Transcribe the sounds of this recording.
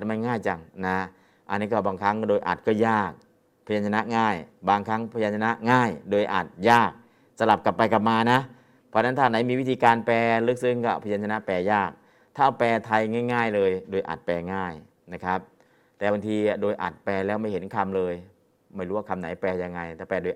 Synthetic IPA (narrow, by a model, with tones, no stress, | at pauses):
a˩t̪̚ma˧˥˧nŋaː˥˩jt͡ɕa˧ŋna˦˥ | ʔa˧nːiː˦˥˩kɔː˥˩baː˧ŋkʰa˦˥ŋdoː˧jʔa̰˨˩t̪̚kɔː˥˩jaː˥˩k̚ | pʰa˧jaː˧nt͡ɕʰa˧na˦˥ŋaː˥˩jbaː˧ŋkʰa˦˥ŋpʰa˧jaː˧nt͡ɕʰa˧na˦˥ŋaː˥˩jdoː˧jʔaː˨˩t̪̚jaː˥˩k̚ | sa˧la˨˩p̚ka˨˩pːa˧jka˨˩p̚maː˧na˦˥ | pʰɔ˦˧˥na˦˥nt̪ʰaː˧˩na˩˦miː˧wi˦˥˩t̪ʰiː˧kaː˧npɛː˧lɯ˦˥k̚sɯ˦˥˩ŋkɔː˥˩pʰa˧jaː˧nt͡ɕʰa˧na˦˥pɛː˧jaː˥˩k̚ | t̪ʰaː˥˩pɛː˧t̪ʰa˧jŋaː˥˩jŋaː˥˩jlɤː˧jdoː˧jʔa̰˨˩t̪̚pɛː˧ŋaː˥˩j | na˦˥kʰa˦˥p̚ | t̪ɛː˨˩ba˧ŋt̪ʰiː˧a˨˩doː˧jʔa̰˨˩t̪̚pɛː˧lɛː˦˥˩wma˥˩jhe˩˦nkʰa˧mlɤː˧j | ma˥˩jɾuː˦˥waː˥˩kʰa˧mna̰˩˦jpɛː˧ja˧ŋːa˧jt̪ɛː˨˧˩pɛː˧doː˧j